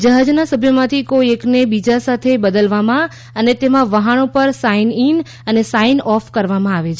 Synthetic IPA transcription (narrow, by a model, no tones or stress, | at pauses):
d͡ʒəɦad͡ʒnasəbʱjomãt̪ʰikoieknebid͡ʒasat̪ʰebəd̪əlʋamã | ənet̪emãʋəɦaɳopəɾsainin | ənesainɔfkəɾʋamãaʋet͡ʃʰ